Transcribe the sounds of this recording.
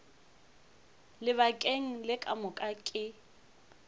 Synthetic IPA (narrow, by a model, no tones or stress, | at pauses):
lɪβakʼeŋ̩lɪkʼamʊkʼakʼɪ